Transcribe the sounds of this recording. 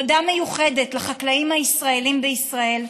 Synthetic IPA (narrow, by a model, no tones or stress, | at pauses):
d̪ame̞juχe̞de̞tlaχaklaimhaisʁaelimbeisʁae̞l